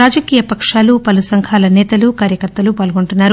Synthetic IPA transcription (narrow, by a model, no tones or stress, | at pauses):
aːd͡ʒɐkiːjɐpɐkʂaːlupɐlusɐŋkʰaːlɐnɛːt̪ɐlukaːɾjɐkɐɾt̪ːɐlupaːlɐɡoɳʈunːaːɾu